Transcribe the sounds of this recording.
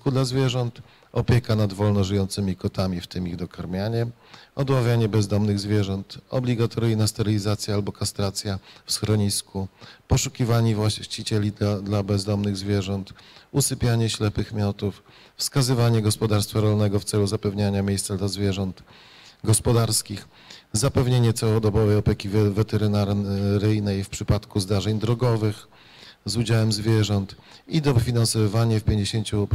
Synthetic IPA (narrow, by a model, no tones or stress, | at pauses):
kud̪lazvʲjɛʐɔnt̪ | ɔpʲjɛkanad̪vɔlnɔʐɘjɔnt̪sɘmʲikɔt̪amʲift̪ɘmiɣd̪ɔkʰaɾmʲjaɲɛ | ɔd̪wavʲjaɲɛbɛzd̪ɔmnɘɣzvʲjɛʐɔnt̪ɔ̰blʲiɡat̪ʰɔɾijnast̪ɛɾɘlʲizat̪sʲjaalbɔkast̪ɾat̪sʲjafsxɾɔɲiskupɔʂukʲivaɲivwat͡ɕit͡ɕɛlʲid̪labɛzd̪ɔmnɘɣzvʲjɛʐɔnt̪usɘpʲjaɲɛɕlɛpɘxmʲjɔt̪uf | fskazɘvaɲɛɡɔspɔd̪aɾst̪faɾɔlnɛɡɔft̪sɛluzapɛvɲaɲamʲjejst̪sad̪lazvʲjɛʐɔnt̪ | ɡɔspɔd̪aɾskʲix | zapɛvɲeɲɛt̪sawɔd̪ɔbɔvɛjɔpʲɛkʲivvɛt̪ɛɾɘnaɾɾɘjnɛjfpʂɘpat̪kuzd̪aʐɛɲd̪ɾɔɡɔvɘx | zud͡ʑawɛmzvʲjɛʐɔnt̪ | id̪ɔvfʲinansɔvaɲɛfpʲjeɲd͡ʑeɕeɲt͡ɕu